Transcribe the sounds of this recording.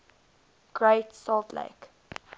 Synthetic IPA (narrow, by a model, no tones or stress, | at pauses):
ɡ̥ɹeɪtsɔlt̪lḛɪk